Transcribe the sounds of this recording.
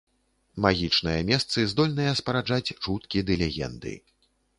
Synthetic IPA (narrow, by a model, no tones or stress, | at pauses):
maɣʲit͡ʂnɨjɐmʲɛst̪sɨzd̪ɔlʲnɨjɐspɐɾad͡ʐat͡sʲt͡ʂut̪kʲid̪ɨlʲɛɣʲɛ̰nd̪ɨ̰